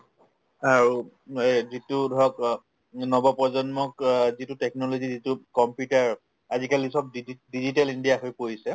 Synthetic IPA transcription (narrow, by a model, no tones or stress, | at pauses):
aɹu | zitudʱɔɔk | nɔbɔpɔzɔnmɔkzitutɛk̚nɔlozizitukɔmpjutaɹ | azikalisɔp̚dizitalindijaɦojpoɹisɛ